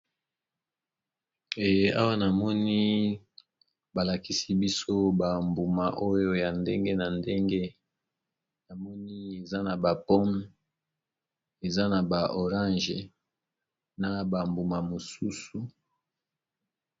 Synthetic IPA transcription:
e˨je˦a˦wa˦na˨mɔ˦ni˦ | ba˨la˨ki˦si˦bi˦so˦ba˨mbu˨ma˨ʔo˦jo˦ja˨nde˦ŋɡe˦na˨nde˦ŋɡe˦ | na˨mɔ˦ni˦e˨za˦na˨ba˨pɔ˦m | e˨za˦na˨ba˨o˨ʁã˦ʒe˨ | na˨ba˨mbu˨ma˨mo˨su˦su˨

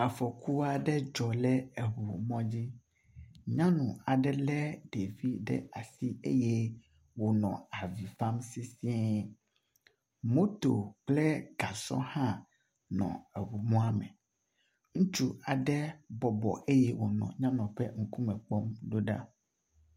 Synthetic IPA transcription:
a˨fɔ˨ku˦a˨ɖɛ˦d͡ʒɔ˨lɛ˦ɛ˨ɦu˨mɔ̃˦d͡ʑi˦ | ɲã˦nũ˨a˨ɖɛ˦lɛ˦ɖe˨vi˦ɖɛ̰˦a˨si˦ḛ˦je˦ | wo˨nɔ̰̃˨a˨vi˨fa˦msi˦si˦e˦ | mõ˦t̪o˨k͡plɛ˦ɡa˨sɔ̰̃˦hã˦ | nɔ̰̃˨ɛ˨wu˨mɔ̃˦a˦mɛ̰̃˨ | ŋũ˦t͡ʃu˦a˨ɖɛ˦bɔ˨bɔ̰˨ʔe˦jɛ˦wo̰˨nɔ̰̃˨ɲã˦nɔ̃˨ɸɛ˦ŋ̩˦ku˦mɛ̃˨k͡pɔ˦mɖo˦ɖa̰˦

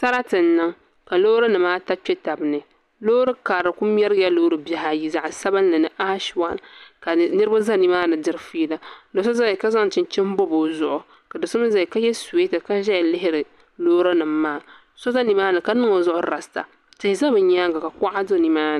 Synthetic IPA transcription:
sa˦ɾa˦tɨ˨n̩ː˦ɨ˦ŋ | ka˨loː˦ɾa˦nɨ˨maː˦ta˦pɛ˦ta˨bɨ˨nɨ˨ | lo˦ɾɨ˦ka˨ɾɨ˨ku˦m˦ɛ˦ɾja˦loː˦ɾɨ˦bja˨ɦa˨ji˦za˨ʔsa˦bɨ˦n˦lɨ˨nɨ˦ʔa˦ʃwa˦˨nka˨nɨ˦ɾɨ˦ba˦za˦ni˦maː˦nɨ˨dɨ˦ɾfi˦la˦do˨so˦za˦i˨ka˦za˦ŋ˨t͡ʃɪ˨n˨t͡ʃɪ˦m˦bo˦bo˨zʊ˨ʔʊ˨ | ka˨dɨ˨sʊ˦m˦za˦˨i˨ka˦jɛ˦se˦tɨ˨ka˦ʒɛ˦˨lɪ˦ɦɪ˦ɾɨ˨ | loː˦ɾa˦nɨ˨mːaː˦˨ | so˦za˦ni˨maː˦nɨ˨ka˦nɨ˦ŋo˨zʊ˦ʔʊ˦ɾa˨sta̰˨ | tɪ˨hɪ˨za˦bɨ˨ɲa˦ɡa˨ka˨ka˦ʔa˦do˦ni˦maː˦n˨

